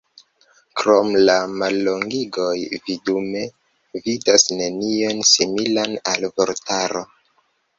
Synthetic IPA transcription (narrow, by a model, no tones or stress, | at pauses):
kɾo̞mlamalːo̞ŋɡiɡo̞jvidume̞ | vidasne̞nionsimilanalvoɾtaɾo̞